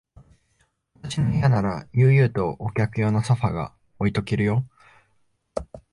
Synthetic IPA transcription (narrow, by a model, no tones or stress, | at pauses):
βat̪aɕinoijanaɾajɯ̟ːjɯ̟ːt̪o̞ʔːkʲakɯ̟jo̞ːnosoɸaɡa̰ | o̞it̪o̞kʲiɾɯ̟jo̞